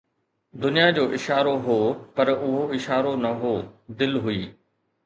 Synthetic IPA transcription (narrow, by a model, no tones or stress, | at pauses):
d̪ʊnijad͡ʑoːʔɪʃaːɾoɦoːpɐɾʊɦoɪʃaːɾonɐɦoːd̪ɪlɦʊiː